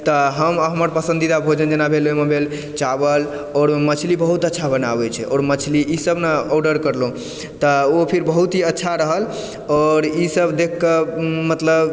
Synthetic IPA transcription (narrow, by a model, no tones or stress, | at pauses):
t̪ɔɦəmɦəməɾpəsə̃nd̪id̪abʱod͡ʒənd͡ʒenabʱelomebʱel | t͡ʃabəl | ɔɾmət͡ʃʰlibəɦut̪ətːʃʰabənabɛt͡ʃʰɛɔːɾmət͡ʃʰliʔisəbnaɔɖəɾkəɾlõ | t̪ɔopʰiɾbəɦut̪ɦiətːʃʰaɾəɦəl | ɔːɾisəbd̪ekʰːəmət̪ləb